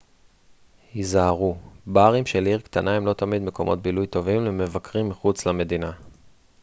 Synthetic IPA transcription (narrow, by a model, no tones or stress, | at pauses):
hizaaʁubaːʁimʃeliʁkt̪anaemlo̞t̪amid̪me̞ko̞mʔo̞̰t̪̚bilujt̪o̞vimleme̞vakʁimːiχut͡slame̞d̪ina